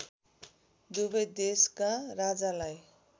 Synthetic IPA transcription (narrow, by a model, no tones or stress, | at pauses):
d̪ubʌjd̪eskarad͡zalaj